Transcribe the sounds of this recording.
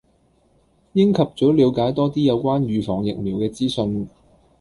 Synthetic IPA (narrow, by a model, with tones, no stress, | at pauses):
jɪ˥ŋkʰɐ˨p̚t͡sɔː˨˥liː˨˧wkaː˨˥jt̪ɔː˥t̪iː˥jɐ˨˧wkʷaː˥nɥyː˨fɔː˨˩ŋjɪ̰˨k̚miː˨˩wkɛː˧t͡siː˥sɵ˧n